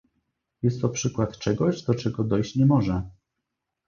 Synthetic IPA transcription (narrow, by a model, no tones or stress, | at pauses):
jɛst̪ːɔpʂɘkwat̪t͡ʂɛɡɔʑd̪ɔt͡ʂɛɡɔd̪ɔjɕt͡ɕɲɛmɔʐɛ